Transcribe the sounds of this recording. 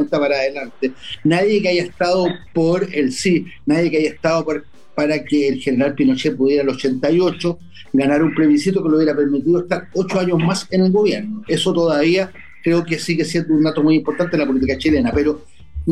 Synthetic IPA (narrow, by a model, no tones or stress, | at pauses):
nt̪apaɾaːðelant̪enaðjekeaʝaeht̪aðopoɾelsinaðje̞keaʝaeht̪aðopaɾ | paɾakeːlxeneɾalpino̞t͡ʃepuðjeɾalot͡ʃe̞nt̪ajo̞t͡ʃo | ɡanaɾumpɾe̞βisit̪okelouβjeɾape̞ɾmit̪iðoest̪aɾot͡ʃoaɲozmasene̞lɣo̞βje̞ɾnoe̞sot̪oðaβia | kɾe̞okesiɣesjend̪ound̪at̪omujimpo̞ɾt̪ant̪enlap̬olit̪ikat͡ʃile̞nape̞ɾo